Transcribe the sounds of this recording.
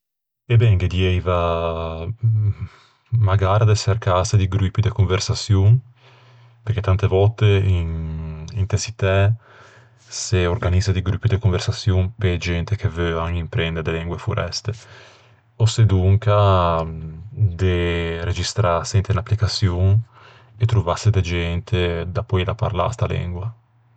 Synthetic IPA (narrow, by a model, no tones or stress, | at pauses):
ebɛŋɡed̪jɛjva | maɡaːɾad̪eserkased̪iɡɾupːid̪ekuɱversasjuŋ | peɾket̪ant̪evɔt̪einint̪esit̪ɛ | seorɡanizad̪iɡɾupːid̪ekuɱversasjumped͡ʒɛnt̪ekevøaŋimpɾɛnd̪eɾd̪elɛŋɡwefuɾʔɛ̰st̪e | osed̪uŋka | d̪ered͡ʒist̪ɾasɛnt̪einapːlikasjuŋ | et̪ɾuvased̪ed͡ʒɛnt̪ʰed̪apːɔilapa̰ɾla̰st̪alɛ̰ŋɡwa